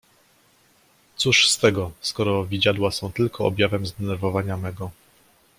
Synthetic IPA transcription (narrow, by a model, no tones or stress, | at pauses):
t̪suʂst̪ɛɡɔskɔɾɔvʲid͡ʑad̪wasɔ̃w̃t̪ɘlkʰɔɔ̰bjavɛmzd̪ɛnɛɾvɔvaɲamɛɡɔ